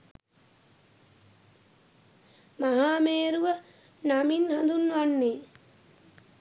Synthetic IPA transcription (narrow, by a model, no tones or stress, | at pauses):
maɦaːmeːɾuʋə | naminhand̪unːʋanːeː